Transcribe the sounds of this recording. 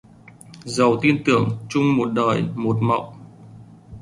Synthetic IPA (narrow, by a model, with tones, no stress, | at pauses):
zə˨˩wt̪i˧ənt̪ɨ˧˩əŋt͡ɕʊ˧ŋ͡mmo˨˩t̚ɗəː˨˩jmo˨˩t̚ma̰˧˨w